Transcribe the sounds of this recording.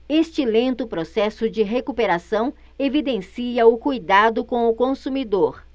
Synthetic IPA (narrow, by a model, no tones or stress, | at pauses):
est͡ʃɪlẽnt̪ʊpɾosɛsʊd͡ʒɪɦekupeɾasɐ̃w̃ | evid̪ẽsiɐʊkujd̪ad̪ʊkõw̃ʊkõsumid̪oɾ